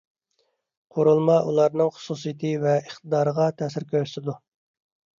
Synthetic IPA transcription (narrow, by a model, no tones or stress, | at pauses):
qʰoɾulˠmɑʔulˠɑɾnɨŋχʊ̥susɨjɪt̪ʰɨvɛəχt̪əd̪ɑːɾəʁɑt̪ʰɛsɪɾkʲøɾsɪd̪u